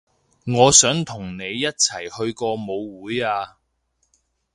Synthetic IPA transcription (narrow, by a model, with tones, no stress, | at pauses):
ŋɔː˨˧sœː˨˥ŋt̪ʰʊ˨˩ŋne˨˧jːɐ˥t̚t͡sʰɐ˨˩jhɵ˧ɥkɔː˧mo˨˧wːuː˨˥jaː˧